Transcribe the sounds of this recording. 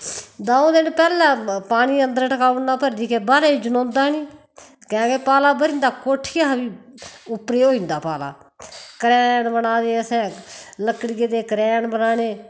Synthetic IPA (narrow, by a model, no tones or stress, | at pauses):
d̪aõd̪ɪnpɛːlãːpaːniːənd̪əɾʈəkaːʋnaːpəɾd̪iːkeːbaːɾeːiːd͡ʒənõːnd̪aːniː | kɛ̃ːkeːpaːlaːbəɾɪ̃ːnd̪aːkoːʈʰiːabiːʊpɾeːɦoːĩːnd̪aːpaːla̰ː | kəɾɛːɳbənaːd̪eːəsɛ̃ːləkɽɪɡeːd̪eːkəɾɛːɳbənaːneː